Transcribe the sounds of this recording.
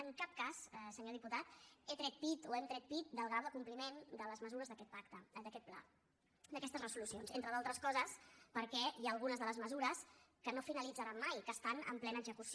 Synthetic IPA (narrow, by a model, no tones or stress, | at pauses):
əŋkap̚kassəɲoð̞iput̪at̪et̪ɾɛt̪̚pit̪oɛmt̪ɾɛt̪̚pit̪̚d̪əlˠɣ̞ɾawðəkumplimend̪ələzməzuɾəzðəkɛt̪̚pakt̪əd̪əkɛt̪̚pla̰ | d̪əkɛst̪əzrəsulusionzḛnt̪ɾəðalˠt̪ɾəskɔzəspəɾkɛjaːlˠɣ̞unəzðələzməzuɾəskənofinəlid͡zəɾamːajkəːst̪anə̰mplɛnəːɡzəkus